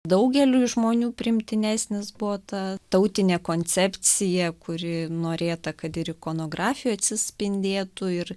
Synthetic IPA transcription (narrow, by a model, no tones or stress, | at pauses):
d̪ɐʊɡʲɛlʲuːɪʒmoːnʲuːpʲɾʲɪɪmʲt̪ʲɪnʲæːsʲnʲɪsbʊʋoːt̪ɐt̪ɐʊt̪ʲɪnʲeːkoːnʲt͡sʲɛpʲt͡s̪ʲɪjɛkʊɾʲɪnoːɾʲeːt̪ɐkɐt̪ɪɾɪkoːnoːɡɾɑːfʲɪjuːɐt̪ʲsʲɪsʲpʲɪnʲd̪ʲeːt̪ʊɪɾ